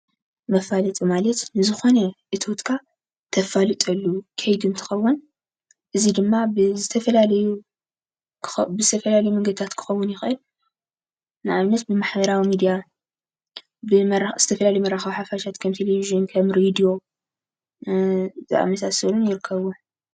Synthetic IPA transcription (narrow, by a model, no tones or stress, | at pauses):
mɐfalɨt̪ʼɨmalɐt̪nɨzɨxo̞nɐʔɨt̪ʰot̪kʰa | t̪ʰɐfalɨt̪ʼɐlːukʰɐjd̪unt̪ʰɨ̥xɐwːʊn | ʔɨzid̪ɨmːabɨzɨt̪ʰɐfɐlalɐju | bɨzɨt̪ʰɐfɐlalɐjumɨŋɡɨd̪̚t̪ʰat̪kʰɨ̥xɐwːʊnjɪxʔɨl | nɨʔaβnɐt̪̚bɨmaħbɐɾawimid̪ija | bɨmz̥ɨt̪ʰɐfɐlalɐjumɐɾaxɐwħafaʃʰat̪kʰɐmt̪ʰeleviʒɨnkʰɐmɾed̪ijo̞ | zʼa̰ʔa̰mɐsasɐlunjɪɾɨkʰːɐβu